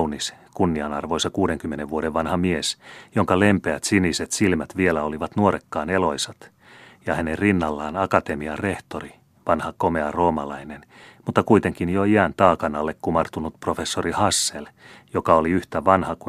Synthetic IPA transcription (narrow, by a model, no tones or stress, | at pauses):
niskunːiɑnɑ̰rʋojsɑkuːdeŋkymːeneʋʋuodeʋʋɑnhɑmiesjoŋkɑlempeæt̪siniset̪silmæt̪ʋielæoliʋɑt̪nuoɾekːɑːnelo̞jsɑt̪ | jɑhænerrinːɑlːɑːnɑkɑt̪emiɑreht̪ori | ʋɑnhɑkomeɑro̞ːmɑ̰lɑinenmut̪ːɑkuit̪e̞ŋkinjoiænt̪ɑːkɑnɑlːekkumɑrt̪unut̪pro̞fe̞sːorihɑsːeljokɑoliyht̪æʋɑnhɑku